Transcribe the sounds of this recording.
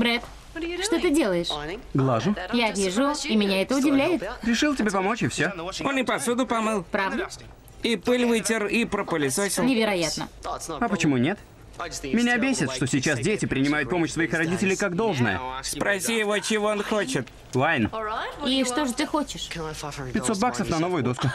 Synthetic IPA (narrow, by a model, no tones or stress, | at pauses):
bɾɛt̪ | ʂt̪o̞t̪ɨdʲe̞lˠəjɪʂɡlˠaʐʊjavʲiʐʊimʲɪnʲaɛt̪əʊdʲɪvlʲæjɪt̪ɾʲɪʂɨlˠtʲɪbʲepɐmo̞t͡ɕɪfsʲoo̞nɪpɐsud̪ʊpɐmɨlˠpɾavd̪ə | ipɨlʲvɨtʲɪripɾəpəlʲɪsosʲnʲɪvʲɪɾɐjat̪nə̰ɐpət͡ɕɪmunʲe̞t̪ | mʲɪnʲabʲesʲɪt̪ʂt̪osʲɪt͡ɕas̬dʲetʲɪpɾʲɪnʲɪmajʊt̪̚po̞məɕsvɐixɾɐdʲitʲɪlʲɪjkaɡd̪o̞lˠʐnə̰jə̰spɾʔɐsʲijɪvo̞t͡ɕɪvo̞onxo̞t͡ɕɪt̪ | vajniʂt̪o̞ʐɨt̪ɨxo̞t͡ɕɪʂpʲɪtʲso̞t̪̚baksəfnɐno̞vʊjʊd̪o̞skʊ